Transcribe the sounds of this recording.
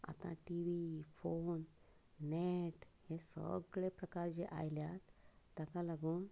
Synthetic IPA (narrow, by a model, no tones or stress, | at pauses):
a̰t̪ã̰ʈiʋifonː | eʈhesə̰ɡɭepɾəkaɾd͡ʑeʔa̰jljat̪ːakãlaɡuːn